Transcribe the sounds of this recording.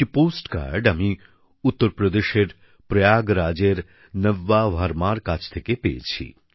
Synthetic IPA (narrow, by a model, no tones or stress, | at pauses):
kipoːsʈka̰ːɾɖɐmi | ʊt̪ːəɾpɾəd̪eʃeɾ | pɾɐjaːɡɾaːd͡ʒeɾ | nəʋːaʋaɾmaːɾkaːt͡ʃʰt̪ʰəkepḛːt͡ʃʰḭ